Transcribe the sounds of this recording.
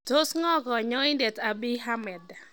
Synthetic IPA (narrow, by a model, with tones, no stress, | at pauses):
to˦sŋɔ˦ɡɔ˨ɲɔ˦i˦nde˨ta˨bi˦ɦa˦mɛ˨d